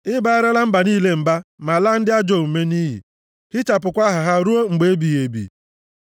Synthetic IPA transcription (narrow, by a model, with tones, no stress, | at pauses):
ɪ˦ba˨a˦ɾɪ˦la˦m̩˦ba˨niː˦le˦m̩˨ba˦ma˨la˦n̩˦dɪ˦a˦d͡ʒo˨u˨me˦ni˦ɦḭ˨ | hɪ˦t͡ʃa˨p̬ʊ˨kʷa˦ɦʊ˨ɦa˦ɾu˦o˦ŋ͡m̩˨ɡ͡be˨˦bi˨je˨bḭ˨